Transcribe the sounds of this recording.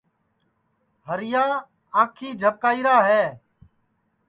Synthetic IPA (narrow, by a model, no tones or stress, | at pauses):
ɦəɾɪjaː | aːkʰiːd͡ʒʱəp̚kaːiːɾaːɦeː